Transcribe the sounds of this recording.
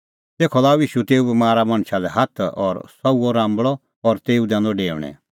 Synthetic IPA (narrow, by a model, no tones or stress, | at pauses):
t̪eːkʰɔlaːuiːʃut̪eːubɐmaːɾamɐ̃ɳ̃ʃalɛɦɐt̪ʰɔɾsɐuɔɾãːmbɭɔ | ɔɾt̪eːud̪ãːndɔɖeːɾɽ̃ɛ̰̃